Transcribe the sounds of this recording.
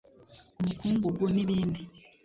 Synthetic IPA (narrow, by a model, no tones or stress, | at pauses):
omukuːŋɡoɡwoniβiːndi